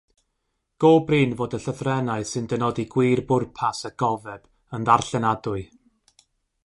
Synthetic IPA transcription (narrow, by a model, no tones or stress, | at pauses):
ɡ̥oːbriːnvoːdəɬəθrɛnaɨsɨndənɔdiɡwiːrbʊrpʰasəɡ̥ɔvɛb̥ | ənðarɬɛnadʊɨ